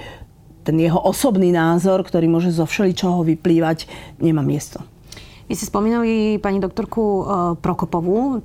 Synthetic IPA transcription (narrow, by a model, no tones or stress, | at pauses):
t̪ɛnjɛɦɔʔɔsɔbniːnaːzɔɾkt̪ɔɾiːmʊɔʒɛzɔfʃɛlit͡ʃɔɦɔʋipliːʋaɟɲɛmaːmɪɛst̪ɔ | ʋiscɛspɔmiːnalipaɲid̪ɔk̚t̪ɔɾkupɾɔkɔpɔʋu